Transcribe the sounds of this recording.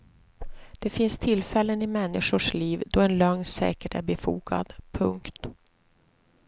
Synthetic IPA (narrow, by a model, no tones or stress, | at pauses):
d̪̥ɛfɪnst̪ʰɪlːfɛlːənɪmɛnːɪʂʊʂliːvd̪ɔɛnlœŋsɛ̰ːkəʈæɾbɛfṵːɡa̰d̪̥pʰɵŋkt̪